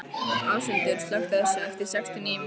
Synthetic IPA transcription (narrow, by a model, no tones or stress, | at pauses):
aːwsʏnt̪ʏɾ̥slœxt̪aðɛsːaɛft̪ɪɾ̥sɛkst̪ɪnɪm